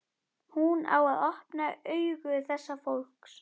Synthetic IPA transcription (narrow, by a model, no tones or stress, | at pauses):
huna̰waðɔhpnaœːɥɣʏθɛsːafowlks